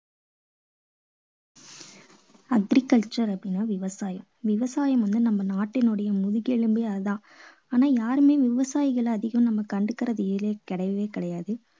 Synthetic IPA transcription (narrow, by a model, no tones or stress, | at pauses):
ɐɡɾɪkːɐɭt͡ʃɐɾɐpːɪnaːʋɪʋɐsaːjɐmʋɪʋɐsaːjɐmʋɐnd̪ɯnɐmːɐnaːʈːɪnɯɽɐjɐmʊðʊɣeɭɯmbiɐðãː | aːnaːjaːɾɯmeːʋɪʋɐsaːjɪɣɐɭːðɪɣɐmnɐmːɐkɐɳɖɯkːɪɾɐðɯːleːkɪɽɐɪʋɪʋeːkɪɽɐjaːðɯ